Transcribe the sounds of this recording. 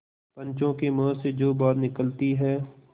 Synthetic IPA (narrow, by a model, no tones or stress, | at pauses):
pə̃nt͡ʃõkemɔːsed͡ʒoːbaːɾnɪkəlt̪iɦɛː